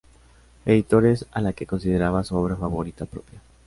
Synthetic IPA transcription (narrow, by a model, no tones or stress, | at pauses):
e̞ðit̪o̞ɾesalake̞ko̞nsið̞eɾaβasuoβɾafaβo̞ɾit̪apɾo̞̰pja